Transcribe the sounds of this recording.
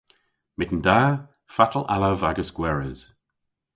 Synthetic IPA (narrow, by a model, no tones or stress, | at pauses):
mɪtn̩daː | fatʰəl̩a̰lawvaɡəskwɛɹəz̥